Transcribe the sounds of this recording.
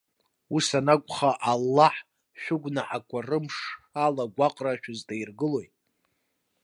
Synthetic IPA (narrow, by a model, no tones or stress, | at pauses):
usanakʷʼχaʔalːaħ | ʃᶣʊɡʷnaʔakʷʰʼarɨmʂalaɡʷaqʼraʃᶣʊzdairɡɨlo̞jtʼ